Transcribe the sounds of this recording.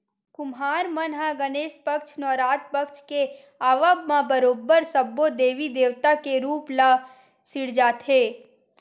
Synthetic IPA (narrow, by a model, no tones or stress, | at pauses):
kʊmɦaːɾmənɦaɡəneːʃpəkʃʰnɔːɾaːt̪̚pəkʃke | aːʋəbmãbəɾoːbːəɾsəbːod̪eːʋid̪eːʋt̪akeɾuːpla | sɪɽd͡ʒaːt̪ʰeː